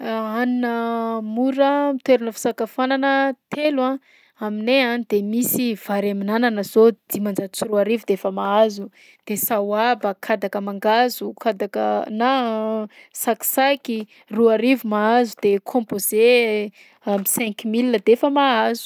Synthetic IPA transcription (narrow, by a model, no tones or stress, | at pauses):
aninəmuɾəmit̪weɾunəfi̥sakafananət̪ʰelwã | amineand̪̥emisiv̥aɾaminananəzod̪̥imand͡ʒaut͡siruaɾivud̪eefəmaazu | d̪̥esawabəkʰad̪akəmaŋɡazukad̪akə̰na | saki̥saki | ruaɾivumaazud̪̥ekʰɔ̃mpoze | amisɛ̃ŋkmilːəd̪efəmaazu̥